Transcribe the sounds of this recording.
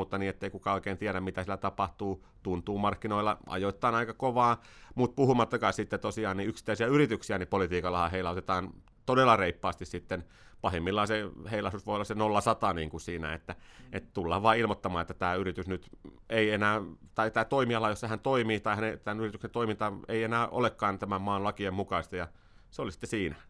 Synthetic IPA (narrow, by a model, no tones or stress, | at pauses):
ut̪ːɑniːet̪ːeikukɑoikeːnt̪iæɾæmmit̪æsilːæt̪ɑpɑht̪uː | t̪unt̪uːmɑrkːinoilːɑ̰ʔɑ̰jot̪ːɑːnɑikɑkoʋɑːmut̪̚puhumɑt̪ːɑkɑissit̪ːet̪osiɑːniyksi̥t̪ːæisiæyrit̪yksiænipolit̪iːkɑlɑhɑheilæot̪et̪ɑːn | t̪odelːɑreipːɑːst̪issit̪ːen | pɑhemːilːɑseheilɑsusʋoˑijolːˑɑsenolːɑsɑt̪ɑniːŋkusiːnæ̰ḛt̪ːæet̪ːt̪ulːɑːʋʋɑːilmot̪ːɑmɑːet̪ːæt̪æːyrit̪ysnyt̪eienæːt̪ɑit̪æːt̪oimiɑlɑjosːɑhænt̪oimiːt̪ɑihænet̪ænyrit̪yksent̪oimint̪ɑeienæːʔo̰lekːɑːnt̪æmæmmɑːnlɑkiemmukɑist̪ɑjɑ | seolisi̥t̪ːesiːnæ